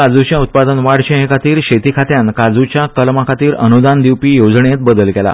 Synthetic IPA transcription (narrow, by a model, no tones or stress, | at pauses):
ad͡zut͡ɕjaut̪̚pad̪ənʋaɽɕeɦẽkat̪iːɾɕet̪ikʰat̪jankad͡zut͡ɕjakəlmakʰat̪iːɾə̰nud̪and̪iwpiːjod͡zɳet̪bəd̪əlkɛla̰